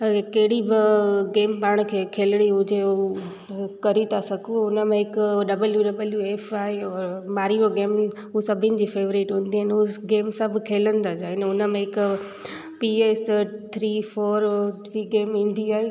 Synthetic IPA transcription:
kɐɦɪɽibɪɡeːmpaːɽ̃kʰeːkʰeːlɪɽ̃iɦʊd͡ʑe | kɐɾit̪ʰasɐɡʱuʊnə̆mẽɦɪkʊɖɐbəljuɖɐbəljueːfaːɦeɔːɾmaːɾioɡeːm | ɦusɐbʱɪnɪ̆d͡ʑiːfeːʋɾiːʈɦʊ̃ːn̆d̪iɦanɪɦuɡeːmsɐ̃bɪ̆kʰeːlə̃nd̪ad͡ʑaːɦɪnʊnə̆mẽɦɪkʊ | pieːst̪ʰɾiːfoːɾ | ʋiːɡeːmĩːnd̪iaːɦe

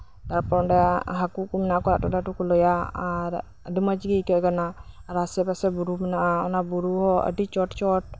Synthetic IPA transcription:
t̪aɾpɔɖɛɦakuʔkumɛnaʔkɔɾa̰ʔtɔdaʈukulɔjaaɾ | ədiməd͡ʒɡikɛʔɡanaːɾasɛbasɛbuɾumɛnaʔaɔ̰nabuɾuhɔə̰ɖit͡ʃɔʈt͡ʃɔʈ̚

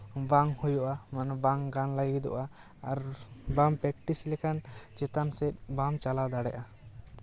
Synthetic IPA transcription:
baŋhujɔʔamanbaŋɡanlaɡid̪ɔ̰ʔaː | ɾbampɾɛk̚ʈislɛkʰant͡ʃɛt̪ansɛt̪̚ˀbamt͡ʃalad̪aɽɛ̰ʔa

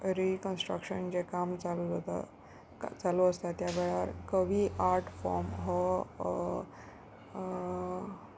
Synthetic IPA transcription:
ɾikənsʈɾə̰kɕənd͡ʑekamt͡salud͡zat̪a̰ | t͡saluəst̪at̪jaʋeɭaɾkəʋiːʔaɾʈʰfɔ̰ɾmɦɔ

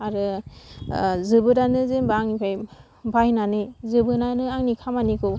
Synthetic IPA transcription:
aɾɯ | zɯbɯɾanɯzembaŋnikʰaj | bajnanɯzɯbɯnanɯaŋnikʰamaniko

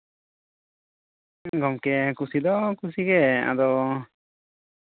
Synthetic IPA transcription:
ɡɔmkɛkusid̪ɔkusiɡɛa̰d̪ɔ

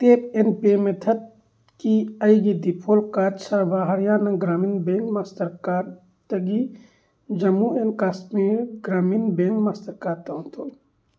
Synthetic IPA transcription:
t̪eːp̚enpeːmet̪ʰɐt̪̚ | kiɐjɡid̪ipʰoːlkaːt̪sɐɾbʱaɦɐɾjaːnɐɡɾaːmiːnbẽŋkmaːst̪ɐɾkaːɾ | t̪ɐɡi | d͡ʒɐmuenkaːsmiːɾɡɾaːmiːnbeŋkmaːst̪ɐɾkaːɾt̪ɐ̃nt̪ʰo

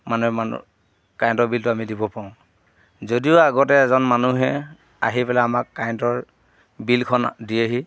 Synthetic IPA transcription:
manuɦɛa̰ | kajntɔɹbiltʊamidibɔpaʊ̃ | zodiʊaɡɔtɛːzɔnmanuɦɛ | a̰ɦipɛlaamakːajntɔɹ | bilkʰɔndiaɦi

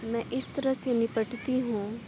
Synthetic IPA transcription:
mɛ̃ʔɪst̪ɐɾəsenɪpəʈt̪iɦũː

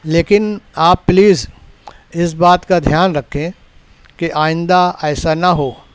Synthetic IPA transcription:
leːkɪnaːpːliːz | ɪs̬baːt̪kad̪ʱjaːnɾɐkʰẽ | keʔaːɪ̃nd̪aɛːsanɐɦoː

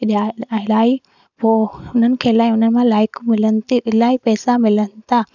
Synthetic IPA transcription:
ɗalaːi | poʊn̤ənɪ̆kʰeːlaːɪʊnənɪ̆mãlaːɪkmɪlənɪ̆t̪iɪlaːipɛːsamɪlənɪt̪ʰa

